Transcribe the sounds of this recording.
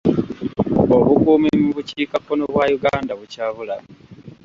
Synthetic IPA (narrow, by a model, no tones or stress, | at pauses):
oβukuːmimuβuciːkakːo̞no̞βwajuɡaːndaβucaːβula